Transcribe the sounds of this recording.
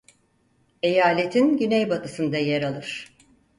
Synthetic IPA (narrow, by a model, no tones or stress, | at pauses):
e̞jaːlʲet̪ʰinɟynejbat̪ʰɯsɯnd̪ajeɾalˠɯɾ̥